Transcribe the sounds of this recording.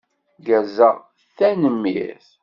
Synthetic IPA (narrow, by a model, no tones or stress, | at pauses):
ɡæzəʁ | θænəmːiθ